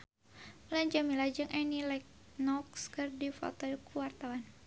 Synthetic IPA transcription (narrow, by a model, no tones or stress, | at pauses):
məlaɲd͡ʒamilad͡ʒɨŋʔɛnilɛk̚ | nɔkskɨrdifɔ̰t̪ɔkuwart̪awan